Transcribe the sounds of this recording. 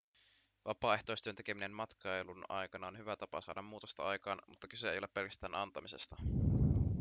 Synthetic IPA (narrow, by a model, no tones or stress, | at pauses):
ʋʔɑpɑːe̞ht̪o̞jst̪yønt̪eke̞mine̞mmɑt̪kʰɑjlunɑ̰jkɑnɑonhyʋæt̪ɑpɑ̰sɑ̰ːdɑmmuːt̪ost̪ɑɑjkɑːnmut̪ːɑkysæejo̞lepːe̞lkæst̪æːnʔɑnt̪ɑmise̞st̪ɑ